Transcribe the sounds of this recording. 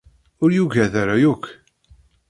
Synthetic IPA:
ʊɾjuʝæðaɾajukː

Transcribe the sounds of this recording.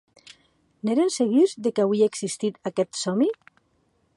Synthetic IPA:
neɾenseɣizðekawiaeɡsist̪it̪akɛt̪sɔmi

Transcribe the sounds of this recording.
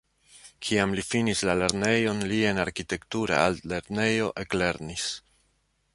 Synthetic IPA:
kʰiamlifinislale̞ɾne̞jo̞nlie̞naɾkite̞ktuɾa̰alle̞ɾne̞jo̞ʔe̞kle̞ɾnis

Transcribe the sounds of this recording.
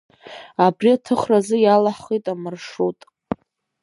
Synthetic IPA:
abriatʰɨχrazɨjalaħitʼamɨrʂutʼ

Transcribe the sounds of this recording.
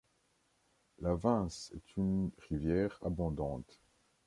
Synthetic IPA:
lavɛ̃sɛt̪ʰynʁivjɛːʁa̰bɔ̃d̪ɑ̃ːt̪

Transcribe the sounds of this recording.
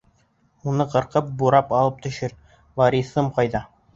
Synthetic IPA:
unɤqɤ̆ɾqɤp̚buɾɑpɑlˠɤp̚t̪ɵ̆ʃɘɾ | vɑɾʲisɤmqɑjðɑ

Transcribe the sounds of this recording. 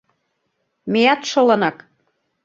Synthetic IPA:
mejɑt̪ʃŏlɤ̆nɑk

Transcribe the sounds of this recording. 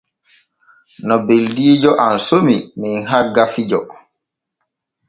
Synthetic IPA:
nɔbeldiːd͡ʒɔʔansomiminɦaɡafid͡ʒɔ

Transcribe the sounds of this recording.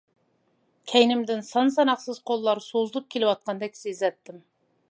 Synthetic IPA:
kʲʰæjnɪmd̪ɪnsɑns̬ɑnɑqsɨz̥qʰolˠːɑɾsozlˠup̚kʲʰelɪwɑt̪̚qɑnd̪ɛkʲsezɛt̪ːɪm

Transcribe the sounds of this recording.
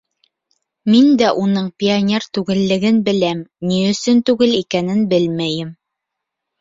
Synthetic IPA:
mind̪æʔunɤɴpʲɪanʲert̪ʉɡɘ̆lːɘ̆ɡɘnbɘ̆læmniɵ̆sɵnt̪ʉɡɘlikænɘnbɘlmæjɘm

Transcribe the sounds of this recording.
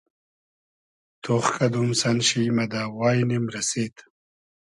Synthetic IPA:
t̪ʰoχkʰɐd̪umsɐnɕijmɐd̪aːwaːjnimɾɐseːt̪

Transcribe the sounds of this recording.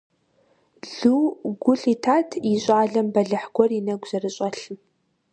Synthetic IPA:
ɮ̥uːɡʷʊɬitʰaːtʰjiɕʼaːɮɐmbɐɮɨħɡʷɔrinɐɡʷʑ̥ɐrɨɕʼɐɬ

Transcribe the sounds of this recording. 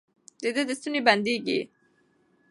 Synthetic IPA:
d̪ed̪ed̪əst̪uniband̪iɡḭ

